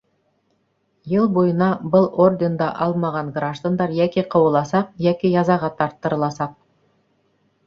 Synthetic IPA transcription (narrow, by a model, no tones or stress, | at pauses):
jɤlˠbojənɑbʊlˠo̞rd̪ʲe̞nd̪ɑʔɑlˠmɑʁɑɴɡraʒd̪and̪ɑɾjækʲeqʰɤwə̆lˠɑsɑq̚jækʲejɑzɑʁɑt̪ʰɑɾt̪ːəɾə̆lˠɑsɑq̚